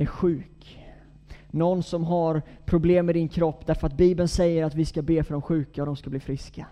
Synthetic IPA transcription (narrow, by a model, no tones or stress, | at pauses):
æɾɧʉ̟ːk | nɔnːsɔmɦaɾpʰɾʊbleːmːɛd̪ɪnkʰɾɔpːd̪æɾfœɾat̪̚biːbənsɛjːəɾat̪vɪskabeːfœɖɔmɧʉ̟ːkaɔd̪ɔmskabliːfɾɪska